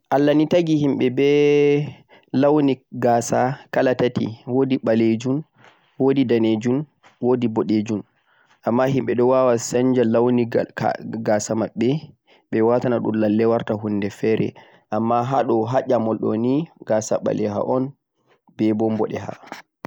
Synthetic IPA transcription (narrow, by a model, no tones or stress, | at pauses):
ʔalːanitaɡihimɓɛbɛ | lawniɡaːsakalatatḭwodiɓaled͡ʒun | wodidaned͡ʒun | wodibɔɗed͡ʒun | ʔamːaɦimɓɛɗɔwawasaɲd͡ʒalawnḭ | ɡasamaɓːɛ | ɓɛwatanaɗunlalːɛwaɾtaɦundɛfɛɾɛ̰ | ʔamːaɦaɗɔɦaʄamɔlɗɔ̰niɡasa̰ɓa̰lɛɦa̰ʔɔn | b̥ɛbɔmbɔɗɛha̰